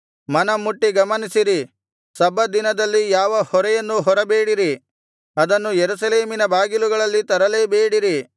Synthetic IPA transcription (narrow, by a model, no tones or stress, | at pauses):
mɐnɐmuʈːiɡɐmɐnisiɾi | sɐbɐd̪inɐd̪ɐlːijaːʋɐhɔɾɛjɐnːuɦɔɾɐbe̞ːɽiɾi | ɐd̪ɐnːujeɾusɐleːminɐbaːɡiluɡɐɭɐlːit̪ɐɾɐlebeːɽiɾi